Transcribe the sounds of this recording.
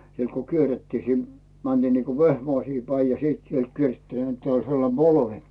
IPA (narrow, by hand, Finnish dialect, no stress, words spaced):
sielt ko kierːetːiː sin mænd̥iː niːko ʋehmɑisiː pæi jɑ sit sielt kiertːiː net olʲ selːɑnm b̥olʋe